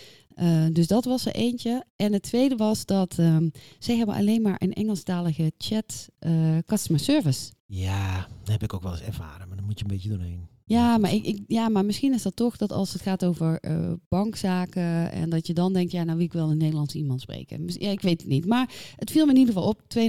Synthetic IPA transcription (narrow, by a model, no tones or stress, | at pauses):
ʔədøsdɔtʋɔsə̰ʔeːnt͡ʃəʔɛnətʰʋejdəʋɔsdɔtʰəsɛjɦɛbənʔa̰leːnmaːɹʔə̰nɛ̰ŋəlˠstaːləɣət͡ʃɛtʔəkɔstəmasøɹvəs | jaːnhɛpɪkowkʋɛlˠəsɛ̰ɹva̰ːɾəmadɔnmutjənbɪtədunḛn | jaːmaɹɪɪjamaɹmɪsxinɪsdɔtɔxd̥ɔtɑ̰lˠsətxaːtowvəɹə̰b̥ɑŋksaːkəɛ̰ndɔtjədɔndɛŋk̚tjanawʋɪlˠɪkʋɛlˠənːejdəlˠɑnsimɑntsprḛːkə̰mɪsjaɪkʋeːtətnitmaɹətfilˠməɪnidəɣəfɔlˠop̚tʋe